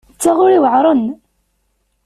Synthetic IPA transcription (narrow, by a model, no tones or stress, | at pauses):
t͡sːaʁʊɾiwəʕɾˤən